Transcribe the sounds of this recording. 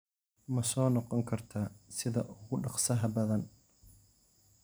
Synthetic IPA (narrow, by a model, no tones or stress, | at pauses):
mɐsɔːnɔqɔŋkʰɐrt̪ʰaːsɪðɐʔʊɣʊɖɑqsɐɦɐbɐðɐn